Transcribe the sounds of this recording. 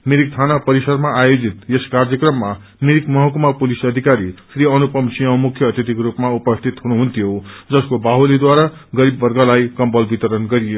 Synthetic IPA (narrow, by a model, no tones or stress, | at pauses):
miɾik̚t̪ʰanapʌɾisʌd̪maʔajod͡zit̪jeskard͡zʌkrʌmːa | miɾikmʌɦʌkumapulisʌd̪ʱikaɾisɾiʌnupʌmsiʌ̃wmukʰjʌːt̪jʌt̪ikrupmaupʌst̪ʰit̪ɦunuɦunt̪ʰjod͡zʌskobaɦolid̪waɾa | ɡʌɾibːʌrɡalajkʌmbʌlbit̪ʌɾʌnɡʌɾijo